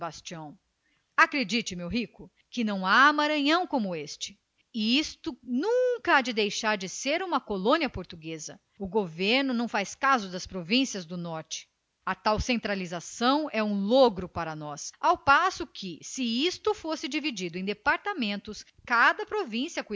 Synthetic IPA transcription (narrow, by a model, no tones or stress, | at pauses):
bast͡ʃiɐ̃w̃ | akɾed͡ʒit͡ʃɪmewɦikʊ | kɪnɐ̃w̃aːmaɾɐ̃ɲɐ̃w̃kõmʊest͡ʃɪ̥ | iist̪ʊnũkɐad͡ʒɪd̪ejʃaɾd͡ʒɪseɾũmɐkolõniɐpoɾt̪uɡezɐ | ʊɡoveɾnʊnɐ̃w̃fajskazʊd̪ɐspɾovĩsiɐzd̪ʊnɔɾt͡ʃɪ̥ | ɐt̪awsẽnt̪ɾalizasɐ̃w̃ɛũloɡɾʊpaɾɐnɔsawpasʊkʰɪsɪist̪ʊfosɪd͡ʒivid͡ʒid̪ʊẽj̃d̪epaɾt̪amẽnt̪ʊs | kad̪ɐpɾovĩsiɐku